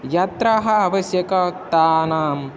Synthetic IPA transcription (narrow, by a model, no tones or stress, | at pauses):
jɐt̪ɾɐɦɐːʋɐsjɐkɐk̚t̪aːnaːm